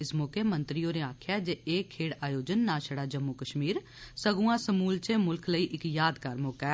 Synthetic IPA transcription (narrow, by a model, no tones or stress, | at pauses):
ɪsmoːkʰemə̃nt̪ɾijoːneaːkʰjad͡ʒeeːkʰːeːɽaːjoːd͡ʒənːãːʃəɽaːd͡ʒəmːukəʃmiːɾ | səɡuãːsəmuːlt͡ʃemʊlkʰləiːʔɪkjaːd̪kaɾmoːkɛː